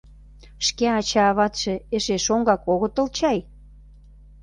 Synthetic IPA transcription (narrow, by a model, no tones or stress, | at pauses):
ʃkeɑt͡ɕɑːβɑt̪ʃĕeʃeʃoŋɡɑkoɣə̆t̪ə̆lt͡ɕɑj